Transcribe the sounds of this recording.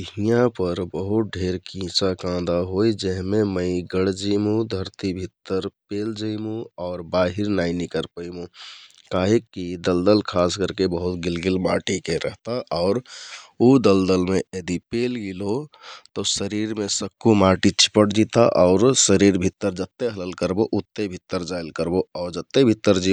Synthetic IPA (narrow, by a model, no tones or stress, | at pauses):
ɦijãpəɾbəɦut̪̚ɖʱeɾkĩt͡ʃakãd̪aɦoid͡ʒəɦmeməɪɡəɽd͡ʒimũd̪ʱəɾt̪ibʱit̪ːəɾpeld͡ʒəjmũɔːɾbaːɦiɾnainikəɾpəjmũ | kaɦekːid̪əld̪əlkʰaːskəɾkebəɦut̪ɡɪlɡilmaʈikeɾəɦt̪aʔɔːɾud̪əld̪əlmeed̪ipelɡilot̪osəɾiɾmesəkːumaʈit͡ʃʰi̥pəʈd͡ʒit̪aʔɔʊɾsəɾiɾbʱit̪ːəɾd͡ʒət̪ːeɦələlkəɾboʔut̪ːebʱit̪ːəɾd͡ʒaɪlkəɾboɔːɾd͡ʒət̪ːebʱit̪ːəɾd͡ʒi